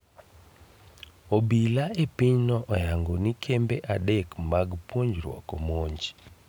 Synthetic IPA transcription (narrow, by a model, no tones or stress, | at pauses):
obilaepɪɲnɔʔɔjaŋɡonikʰembeʔadɛkmaɡpwoɲd͡ʒɾwɔ̰kɔmoɲd͡ʒ